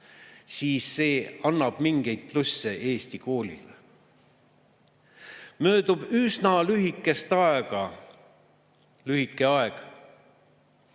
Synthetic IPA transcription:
siːsːe̞ːɑnːɑb̥miŋɡ̥e̞jd̪̥̚plusːee̞ːst̪iko̞ːlʲḭl | mø̞ːd̪ubysnɑlyɦikːˑe̞st̪ɑeɡ̥ɑ | lyɦikːˑe̞ɑeɡ̥

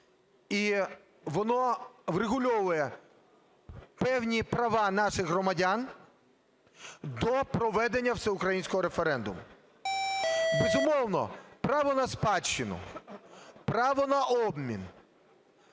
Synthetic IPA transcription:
i | ʋɔnɔʋreɦʊlʲɔʋʊjɛ | pɛwnʲipɾɐʋɑnɑʃɪɣɦrɔmɐdʲan | d̪ɔpɾɔʋɛd̪enʲːɐwsɛʊkɾɐjinʲsʲkɔɦɔɾefeɾɛnd̪ʊ̰mʊ | bezʊmɔwnɔ̰pɾɑʋɔnɐspɑt͡ʃːɪnʊ̰ | pɾɑʋɔnɐʔɔbmʲḭn

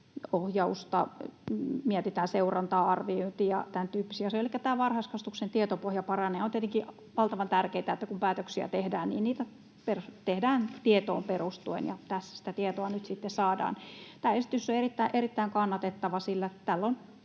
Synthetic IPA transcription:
ohjɑust̪ɑ̰ | miɛt̪it̪æːnseurɑnt̪ɑːɑrʋioint̪ijɑ̰t̪ænt̪yːpːisiɑseolikːæt̪æːʋɑrhɑskɑst̪uksent̪iet̪opohjɑpɑrɑneont̪iet̪eŋki | ʋɑlt̪ɑʋɑnt̪ærkeit̪æet̪ːækumpæːt̪øksiæ̰t̪ehdæːnnḭːnniːt̪æ | pert̪ehdæːnt̪iet̪o̰ːmperust̪uḛnjɑ̰t̪æsːæ̥si̥t̪æt̪iet̪oɑnyt̪sit̪ːessɑːdɑ̰ːnt̪æːesit̪ysːoerit̪ːæiʔerit̪ːæiŋkɑnːɑt̪et̪ːɑʋɑsilːæt̪t̪ælːon

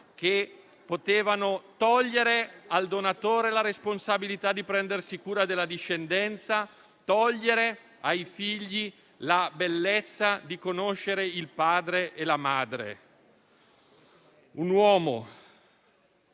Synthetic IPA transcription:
ke | pot̪eːvanot̪ɔʎːeɾeald̪onat̪oːɾelaɾesponsabilit̪ad̪ipɾɛnd̪ersikuːɾad̪elːad̪iʃːend̪ɛnt̪sa | t̪ɔʎːeɾe | ajfiʎːi | labelːet̪sːad̪ikonoʃːeɾeilpaːd̪ɾeʔelamaːd̪ɾḛ | unwɔːmo

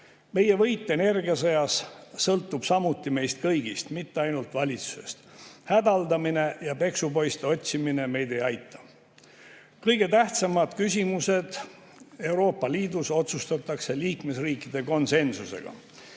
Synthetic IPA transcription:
me̞je̞vɤjt̪ˑːene̞rɡiɑsɤjɑsːɤlt̪ːˑub̥sɑmut̪ːime̞jst̪̚kɤjɡ̥ist̪mit̪ːeɑjnult̪vɑlʲit̪su̥se̞̰st̪hæd̪ɑld̪ɑmine̞jɑpe̞ksupo̞jst̪eo̞t̪ʲsimine̞me̞jd̪e̞jɑjt̪ːˑɑ̥ | kɤjɡ̥e̞t̪æht̪sɑmɑd̪̥kys̬ʲimuse̞d̪̥ | e̞wɾo̞ːpːˑɑliːd̪uso̞t̪sust̪ɑt̪ːˑɑkse̞liːkme̞sriːkːˑid̪̥e̞ko̞nse̞nsuse̞̰ɡ̥ɑ̰

